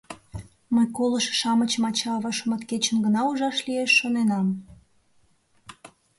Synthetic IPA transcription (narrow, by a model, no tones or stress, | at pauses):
məjkoləʃʃɑmət͡ɕmɑt͡ɕɑβɑʃəmə̆t̪ket͡ɕənɡənɑuʒɑʃlieʃːonenɑm